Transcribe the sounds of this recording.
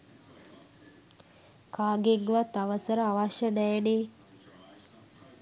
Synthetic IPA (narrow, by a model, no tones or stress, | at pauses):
kaːɡeŋʋat̪aʋəsəɾəaʋaʃənɛjne